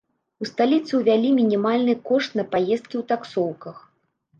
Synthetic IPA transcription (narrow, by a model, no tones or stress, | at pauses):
ust̪alʲit̪sɨwvʲalʲimʲinʲimalʲnɨkɔʂt̪nɐpajɛst̪̚kʲiwt̪aksɔwkɐx